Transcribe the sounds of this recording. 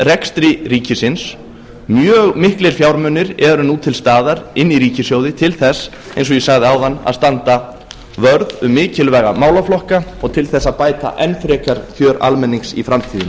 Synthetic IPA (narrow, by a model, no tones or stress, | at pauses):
rɛkst̪ɾiɾiːcɪsɪns | mjœːɣmɪhklɪɾ̥fjawɾmœnːɪɾɛɾʏnut̪ʰɪlst̪aːðaɾɪnːiɾiːcɪsjoːwðɪt̪ʰɪlθɛs | ejns̬ɔjɛsaɣðɪawðanːa̰ðst̪ant̪a | vœɾðʏmːɪːcɪlvɛːɣa̰maːwlaflɔhkaɔɣt̪ʰɪlθɛsːaðpaːjt̪a̰ʔɛnfɾɛːkaɾ̥fjœːɾa̰lmɛnːiŋksḭfɾamt̪ʰiːðɪn